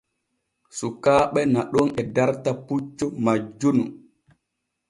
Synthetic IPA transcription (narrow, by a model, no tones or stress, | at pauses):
sukaːɓɛnaɗɔnɛdaɾtaput͡ʃːɔmad͡ʒːunu